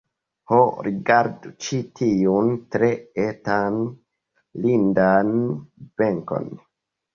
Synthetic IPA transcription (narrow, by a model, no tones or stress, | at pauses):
hoɾiɡaɾdut͡ʃitʰiuntɾeetan | lindanb̥eŋko̰n